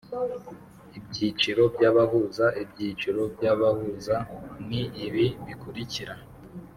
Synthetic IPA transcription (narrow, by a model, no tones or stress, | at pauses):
ib̚ɟiːt͡ʃiɾo̞bɟaːβaɦuzaib̚ɟiːt͡ʃiɾo̞bɟaβahuzaniːβiβikuɾiciɾa